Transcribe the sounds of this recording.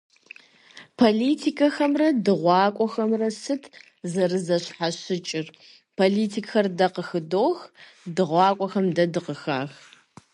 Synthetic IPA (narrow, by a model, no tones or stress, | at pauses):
pʰoliːtʰikʰɐxɐmrɐdɨʁʷɑːkʷʼɔxɐmrɐsɨtʰ | zɐrɨzɐɕħaɕɪt͡ʃʼɪr | pʰoliːtʰiːkʼxɐrdɐqəxɨdoːx | dɨʁʷɑːkʷʼɔxɐmdɐdɨqəxa̰ːx